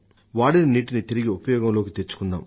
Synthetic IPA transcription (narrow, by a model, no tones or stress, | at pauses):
ʋaːɽinɐniːʈinit̪iɾiɡiupɐjɔːɡɐmloːkit̪et͡ʃːu̥kund̪a̰ːm